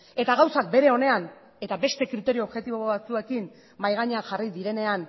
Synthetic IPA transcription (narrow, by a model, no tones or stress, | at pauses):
e̞t̪aɣawsak̚be̞ɾe̞o̞ne̞an | e̞t̪abe̞st̪e̞kɾit̪e̞ɾioːbʝe̞t̪iβoβoβat͡sue̞kin | majɣaɲeanʝarid̪iɾe̞ne̞an